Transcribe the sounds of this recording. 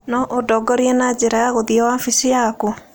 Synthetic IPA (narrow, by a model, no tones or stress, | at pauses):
nɔʔodɔɡɔɾiɛnad͡ʒeɾajaɣoðiɔwafisijaku